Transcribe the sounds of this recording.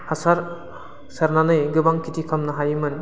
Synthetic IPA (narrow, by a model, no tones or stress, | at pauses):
hasaɾ | saɾnanɯjɡɯbaŋkʰitʰikʰamnɐɦajɯmɯn